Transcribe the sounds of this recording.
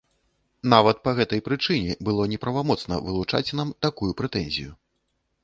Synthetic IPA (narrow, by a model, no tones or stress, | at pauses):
n̪avɐt̪̚pɐɣɛt̪ɐjpɾɨt͡ʂɨnʲɛbɨlˠɔnʲɛpɾɐvamɔt̪snɐ̰vɨlˠut͡ʂa̰t͡sʲnamt̪akujupɾɛt̪ɛnʲzʲḭju